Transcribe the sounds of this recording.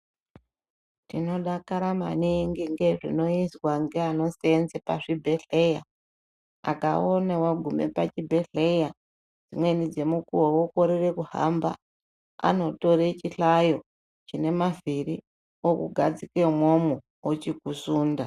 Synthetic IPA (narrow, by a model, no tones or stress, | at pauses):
tino̞ɗakaɾama̰niŋɡiŋɡe̞ʐḭno̞izwaŋɡeano̞senzepa̰ʐibʱe̞ɬe̞ja | a̰kao̞newaɡʱume̞̰pat͡ʃibʱe̞ɬe̞ja | d͡zimwe̞nid͡ze̞mukuwowoko̞ɾire̞kuha̰mba̰ | a̰no̞to̞ret͡ʃiɬajo̞ | t͡ʃine̞maviri | okuɡʱad͡zikwemwomu | ot͡ʃikusuːnda